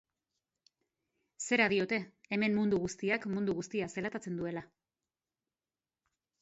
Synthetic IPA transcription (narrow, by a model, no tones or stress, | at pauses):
se̞ɾaðio̞t̪e̞ːme̞mːund̪uɣust̪iakmund̪uɣust̪iaselat̪at͡se̞nd̪ue̞la